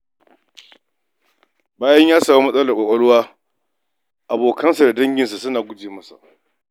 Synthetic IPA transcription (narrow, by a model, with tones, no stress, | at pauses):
baː˦jɐ˦ɲjaː˦saː˨mu˦mɐ˦sʼɐ˦lɐ˨kʷa˨kʷʼɐ˦ɽʊ˦waː˦ | ʔa˨boː˨kɐ˦nsa˨da˨dɐ˦ŋɡʲɪ˨ns̬a˨sʊ˦naː˨ɡʷʊ˦d͡ʒeː˨mɐ˦sa̰˨ʔ